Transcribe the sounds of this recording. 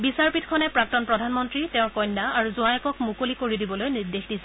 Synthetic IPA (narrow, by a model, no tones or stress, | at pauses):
bisaɹpitkʰɔnɛpɹak̚tɔnpɹɔdʱanmɔntɹitɛʊ̃ɹkɔjnːaaɹuzuajɔkɔkmukolikoɹidibɔlojniɹdexdisɛ